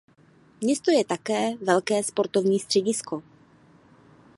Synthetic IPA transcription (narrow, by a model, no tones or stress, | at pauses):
mɲɛst̪o̞jɛt̪akɛːvɛlkɛːspo̞ɾt̪ovɲiːst̪r̝̥ɛɟɪsko̞